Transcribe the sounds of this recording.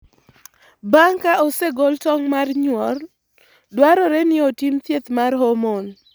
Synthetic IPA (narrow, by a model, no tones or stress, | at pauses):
baŋkaʔoseɡɔltɔŋmarɲwɔr | dwaɾɔɾɛnɪotimt̪jet̪marɦomon